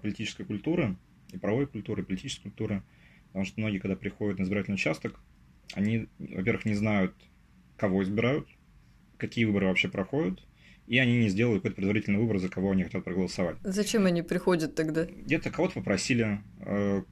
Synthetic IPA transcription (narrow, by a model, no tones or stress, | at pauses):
pəlʲɪtʲit͡ɕɪskəjkʊlʲt̪uɾɨ | ipɾɐvojkʊlʲt̪uɾɨpəlʲɪtʲit͡ɕɪskɪ̥kʊlʲt̪uɾɨ | pət̪ɐmuʂt̪əmno̞ɡʲɪjkɐɡd̪apɾʲɪxo̞dʲʊt̪nəɪzbʲɪɾatʲɪlʲnɪʊt͡ɕast̪ək | ɐ̰nʲivɐ̰pʲe̞ɾvəxnʲɪznajʊt̪ | kɐvo̞ɪzbʲɪɾajʊt̪ | kɐkʲijəvɨbəɾɨvɐpɕːepɾɐxo̞dʲʊt̪ | iɐnʲinʲɪzʲdʲelˠəɪt̪kojt̪əpɾɪd̪vɐɾʲitʲlnjɪvɨbəɾɨzəkɐvo̞ɐnʲixɐtʲat̪̚pɾəɡəlˠəsɐvatʲzɐt͡ɕemɐnʲipɾʲɪxo̞dʲət̪ːɐɡd̪aɡdʲet̪əkɐvo̞t̪əpəpɾɐsʲilʲɪ | ə